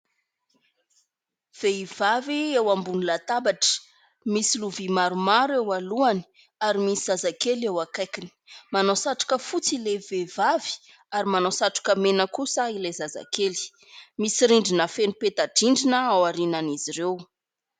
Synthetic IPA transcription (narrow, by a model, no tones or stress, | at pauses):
v̥eiv̥aviewambunilat̪abaʈ͡ʂə̥ | misiluvimaɾumaɾewaluani̥ | aɾimisiz̥azakelewakajkini̥manosaʈ͡ʂḁkəfut͡silevevavi̥ | aɾimanosaʈ͡ʂḁkəmenəkusəilezaza̰keli̥ | misiɾiɳɖ͡ʐinəfenupet̪aɖ͡ʐiɳɖ͡ʐinəawaɾinaniziɾew